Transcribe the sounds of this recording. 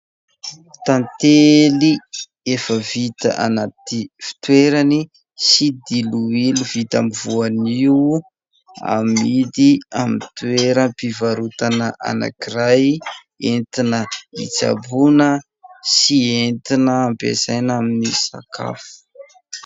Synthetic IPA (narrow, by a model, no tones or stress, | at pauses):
t̪ant̪eli | efəvit̪a̰ʔa̰nat̪ifi̥t̪weɾani | sid̪iluilivit̪amivuaniu | a̰mid̪iamit̪ueɾəpivaɾut̪anəʔa̰na̰kiraj | ent̪inəḭt͡sa̰bunə | sient̪inəːmpḛzajnaminisa̰kʰa̰fu̥